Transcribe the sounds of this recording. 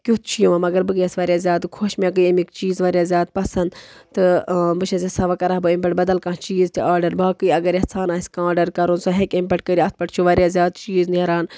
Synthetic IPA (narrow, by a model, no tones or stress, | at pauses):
kʲut̪̚ʰt͡ʃʰijuʋɐmɐɡɐɾbɨɡjɐsʋɐɾʲjaːzʲjaːd̪kʰoʃmʲak̬ɨjɐmikt͡ʃiːzʋɐːɾʲjaːzʲjaːd̪̚pɐsɐnd̪t̪ɨbɨt͡ʃʰɐzʲɐsɐʋakɐɾaɦbɨimpeʈbɐd̪ɐlkãːt͡ʃiːzt̪ʰiaːɾɖɐɾbaːkɨːɐɡɐɾehsʰaːnaːsʲkãːɖɐɾkɐɾunsoɦekimpʲeʈ̚kəɾiɐt̪̚ʰpɐʈt͡ʃʰuʋɐɾjaːzʲjaːd̪t͡ʃiːzniɾaːn